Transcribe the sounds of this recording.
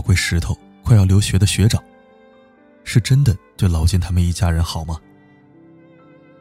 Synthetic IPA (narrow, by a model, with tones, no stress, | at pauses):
kwe˥˩ɪʂɻ̩˧˥t̪ʰo˧˥ʊ | kʰwa˥˧jɑ˥˩ʊljo˧˥ʊɕɥɛ˧˥d̪ə˧ɕɥɛ˧˥ʈ͡ʂɑ˨˩˦ | ʂɻ̩˥˩ʈ͡ʂə˥nd̪ə˨t͡ɕwe˥˩ɪlɑ˧˥ʊt͡ɕjɛ˥˩nt̪ʰa˥mə˨ni˥˩t͡ɕja˥ɻə˧˥nxɑ˨˩ʊmɐ˦